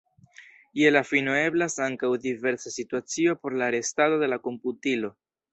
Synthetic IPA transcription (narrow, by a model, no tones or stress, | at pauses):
ie̞lafinoe̞blasaŋkawdive̞ɾsasituat͡sio̞po̞ɾlaːɾe̞stado̞de̞lako̞mputilo̞